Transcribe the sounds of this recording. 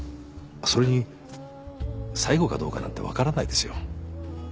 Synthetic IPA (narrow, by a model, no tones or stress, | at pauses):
aso̞ɾe̞ɲ̟i | saiɡo̞ka̰d̪o̞ːka̰nã̰nt̪e̞βa̰kaɾanaid̪e̞sɨjo̞̰